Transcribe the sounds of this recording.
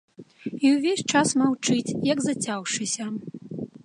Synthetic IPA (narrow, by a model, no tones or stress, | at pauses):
iwvʲesʲt͡ʂasmawt͡ʂɨt͡sʲjɐɡzɐt͡sʲawʂɨsʲɐ